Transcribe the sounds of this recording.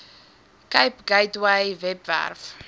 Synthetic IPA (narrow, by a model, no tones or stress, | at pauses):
kajpɡajtwajvɛpvæ̰rf